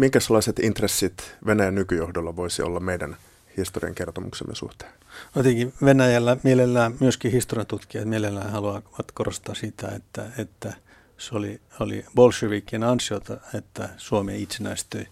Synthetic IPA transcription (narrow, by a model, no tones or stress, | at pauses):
miŋkæselːˑɑiset̪int̪resːit̪ʋenæjænnykyjohdolːɑʋoisio̰lːɑmmeidæn | hist̪oriɑ̰ŋkert̪omṵksḛmːḛsṵht̪e̥ː | ot̪ikiʋenæjælːæmielelːæːmyøskihist̪oriɑnt̪ut̪kiɑt̪mielelːæːhɑluɑʋɑt̪korost̪ɑːsit̪æ̰ḛt̪ːæ̰et̪ːæ | soliolḭbolsyʋikːienɑnsiot̪ɑet̪ːæsuomḛːit̪senæist̪øi